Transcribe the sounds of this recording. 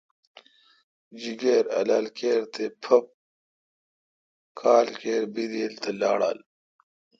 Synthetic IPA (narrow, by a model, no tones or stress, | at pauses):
d͡ʑiɡeːɾɐ̰laːlkeːɾt̪ʰepʰɐp̚ | kʰaːlkeːɾbid̪eːlt̪ʰɐla̰ːɽa̰ːl